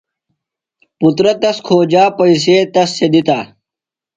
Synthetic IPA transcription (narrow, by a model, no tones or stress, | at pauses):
put̪ɾɐt̪ɐskʰoːd͡ʑaːpɐjs̬eːt̪ɐsːed̪it̪aː